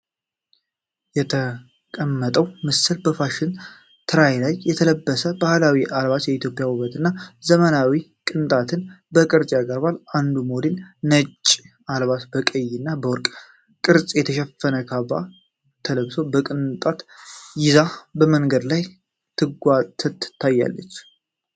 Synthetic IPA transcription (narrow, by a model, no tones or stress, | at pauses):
jɛt̪ʰə | kʼəmːət̪ʼəwmɨsɨlbəfaʃɪn | t̪ʰɨɾajlajjɛt̪ʰələbːəsəbahlawiʔalβat̪jɛit̪ʰjo̞pʼɪjawuβət̪ɨnːazəmənawikʼɨnt̪ʼat̪ʰɨnbəkʼɨɾt͡ʃʼjaɡəɾbaland̪umolennət͡ʃʼːi | alβat̪bəkʼəjːɪnːabəwɔɾkʼ | kʼɨɾt͡sʼjɛt̪ʰəʃɛfːənəkʰaba̰ | t̪ʰələbsobəkʼɨnt̪ʼat̪jɪzabəməŋɡəd̪laj | t̪ʰɨɡʷat̪ʰət̪ːɨt̪ʰːajːa̰lːə̰t͡ʃː